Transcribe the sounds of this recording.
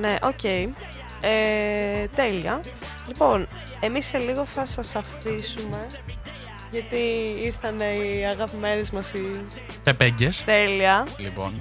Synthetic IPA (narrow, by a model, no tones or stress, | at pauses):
ne̞ʔo̞ce̞i | e | t̪e̞liɐ | lipo̞n | e̞misːe̞liɣo̞θɐsɐsɐfisume̞ | ʝɐt̪iiɾθɐne̞iɐɣɐpime̞nezmɐsi | pepeɲɟest̪e̞liɐlipo̞̰n